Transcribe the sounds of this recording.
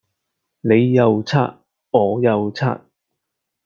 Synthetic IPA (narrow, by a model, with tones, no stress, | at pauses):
ne˨˧jːɐ˨wt͡sʰaː˥t̚ | ɔː˨˧jɐ˨˧wt͡sʰa̰ː˥t̚